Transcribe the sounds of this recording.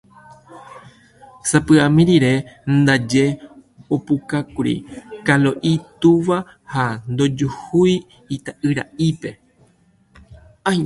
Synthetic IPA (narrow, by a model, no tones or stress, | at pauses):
sapɨãmĩɾiɾe̞nd̪ad͡ʒe̞ | opukakuɾḭkaloʔit̪uʋa | hand̪o̞d͡ʒuhuj | it̪aʔɨɾa̰ʔipe̞ | a